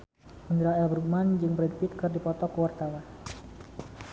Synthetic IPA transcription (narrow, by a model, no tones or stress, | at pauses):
mənd̪ɾaɛlbɾuɡ̚mand͡ʒɨŋbɾɛd̚pit̪̚kɨrdipɔt̪ɔkəwart̪awa